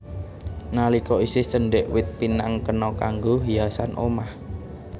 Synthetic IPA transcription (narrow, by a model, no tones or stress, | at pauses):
nalikɔisɪhsəɳɖɛʔwɪt̪̚pinaŋkənɔkaŋɡoɦiasanʔo̰mah